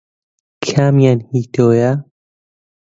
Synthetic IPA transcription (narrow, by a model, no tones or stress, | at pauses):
kʰaːmjanhiːt̪oːja